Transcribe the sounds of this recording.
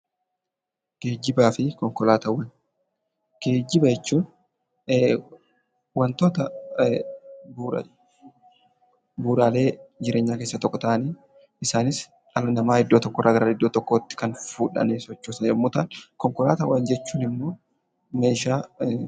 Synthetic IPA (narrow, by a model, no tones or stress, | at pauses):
ke̞ːd͡ʒːɪbaːfɪkɔŋkɔlaːt̪ɐwɐn | ɡ̥e̞ːd͡ʒːɪbɐjɛt͡ʃːuːnː | wɐnt̪oːt̪ɐ | b̰ | buːɾaːle̞ːd͡ʒɪɾʔe̞ːɲːaːkeːsːɐt̪ɔkːɔt̪ɐʔɐniː | ɪsaːnɪs | ɐlɐnɐmaːɪd̪ːoːt̪ɔkːɔrːʔɐɡɐɾaːɪd̪ːoːt̪ɔkːoːt̪ːɪ̥kɐnfuːᶑɐ̰nɛsɔt͡ʃːoːsɐɛmːʊt̪ankɔŋkɔla̰ːt̪ɐwɐnd͡ʒɛt͡ʃːuːnɪmːo̞ː | me̞ːʃaː